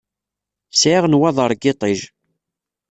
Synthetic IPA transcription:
sʕɪʁnwæðˤəɾˤɡɪt̪ˤiʒ

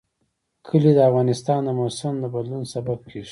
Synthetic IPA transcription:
kʰəlid̪əafɣɑnɪst̪ɑnd̪əmosɪmd̪əbad̪lunsabab̚kʰeʃ

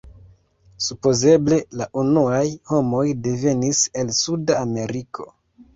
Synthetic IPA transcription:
supo̞ze̞ble̞laʔunuajho̞mo̞jde̞ve̞nise̞lsudaːme̞ɾikʰo̞̥̰

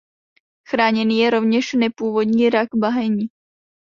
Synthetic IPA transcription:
xɾaːɲɛniːjɛɾovɲɛʃnɛpuːvod̪ɲiːɾaɡbaɦɛɲi

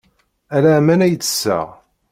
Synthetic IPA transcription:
ælæmænæjt͡sːə̥sːæ̰ʁ

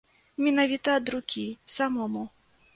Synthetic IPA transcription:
mʲinavʲit̪ɐːd̪ɾukʲisamɔmu

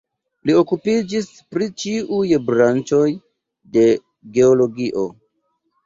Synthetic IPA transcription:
lio̞kupid͡ʒis | pɾit͡ʃiʔujbɾant͡ʃo̞j | de̞ | ɡe̞olo̞ɡiʔo̞

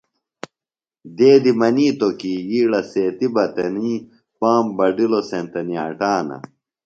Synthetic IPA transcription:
d̪eːd̪imɐniːt̪okijiːɽɐseːt̪ibɐt̪ɐniː | paːmbɐɖilosent̪ɐniɐ̰ʈaːnɐ̰

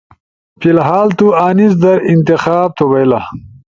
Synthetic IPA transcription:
filɦaːlt̪uaːnis̬d̪ɐɾint̪ixaːb̚t̪ʰobejla

